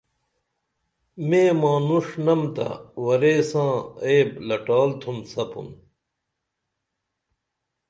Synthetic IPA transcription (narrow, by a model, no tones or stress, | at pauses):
meːmãːnuʂnɐmt̪ɐ̰wɐɾeːsãːeːblɐʈaːlt̪ʰunsɐpṵn